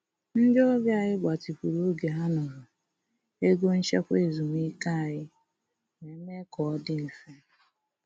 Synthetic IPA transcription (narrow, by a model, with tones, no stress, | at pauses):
n̩˦dɪ˦ɔ˦bja˦˨ɣɪ˦ɡ͡ba˨ti˨pu˨ɾo˦ɡe˨ɦa˦nɔ˨ɾʊ˨ | e˦ɡo˦n̩˦t͡ʃe˦kʷe˦˨zu˨m˦i˦ka˦a˨ɣɪ˦ | ne˨˦me˦kɔ˨ɔ˦dɪ˦n̩˨fe˦